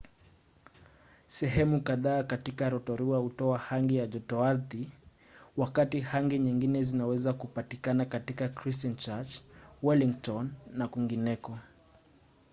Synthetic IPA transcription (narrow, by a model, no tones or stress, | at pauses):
sɛɦɛmukaðaːkatikaɾɔtɔɾiwahutɔahaŋɡijaʄɔtɔaɾði | wakatihaŋɡiɲiŋɡinɛzinawɛzakupatikanakatikakɾistɔnt͡ʃat͡ʃwɛliŋtɔnːakwiŋɡinɛkɔ